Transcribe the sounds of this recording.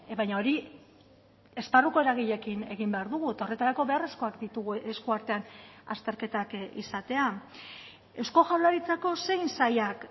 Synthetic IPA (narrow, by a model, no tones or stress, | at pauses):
βajɲao̞ɾi | e̞sparuko̞e̞ɾaɣ̞iʎe̞kine̞ɣ̞imbe̞aɾðuɣue̞t̪ao̞re̞t̪aɾako̞βe̞are̞sko̞akd̪it̪uɣuʔe̞skuaɾt̪e̞ana̰st̪e̞ɾke̞t̪akḭsat̪e̞a | e̞sko̞ʝald̪aɾit͡sako̞se̞jnsajak